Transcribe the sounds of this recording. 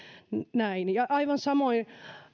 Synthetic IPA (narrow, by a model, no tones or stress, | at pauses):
næinjɑʔɑiʋɑnsɑmoin